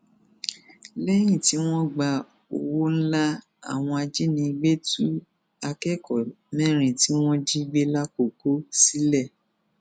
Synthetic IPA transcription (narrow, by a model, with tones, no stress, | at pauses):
lɛ˦j̃ĩ˦˨ti˨˦w̃ɔ̃˦ɡ͡ba˧˨ | o˨wo˦n̩˦la˦ | a̰˨w̃ɔ̃˧a˧d͡ʒi˦nĩ˧ɡ͡be˦tu˦ | a˧kɛ˦˨kɔ˨ | mɛ̃˦˨ɾ̃ĩ˨ti˨˦w̃ɔ̃˦d͡ʒi˦ɡ͡be˦la˦ko˨ko˦si˦lɛ˦˨